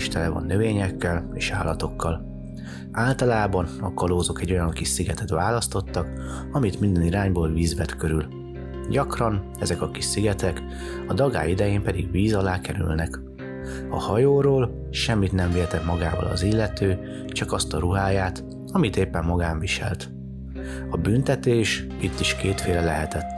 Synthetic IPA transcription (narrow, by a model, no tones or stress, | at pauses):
ʃt̪ɛlɛvɒ̰nːøveːɲɛkːɛleːʃaːlːɒt̪o̞kːɒl | aːlt̪ɒlaːbɒnɒ̰kɒloːzo̞kɛɟːojɒŋkiʃsiɡɛt̪ɛt̪ʋaːlɒst̪o̞t̪ːɒk | ɒmit̪mind̪ɛniɾaːɲboːlviːzbɛt̪køɾyl | ɟɒkrɒn | ɛzɛkɒkiʃsiɡɛt̪ɛk | ɒd̪ɒɡa̰ːjid̪ɛjeːmpɛd̪iɡʋiːzɒlaːkɛɾy̰lnɛk | ɒ̰hɒjoːɾoːl | ʃɛmːit̪nɛɱveːrt̪ɛmɒɡaːvɒ̰lɒ̰zilːɛt̪øː | t͡ʃɒkɒst̪ɒɾuɦaːjaːt̪ | ɒmit̪eːpːɛmːɒɡaːɱviʃɛ̰lt̪ | ɒbynt̪ɛt̪eːʃ | it̪ːiʃkeːt̪feːlɛlɛɦɛt̪ɛt̪ː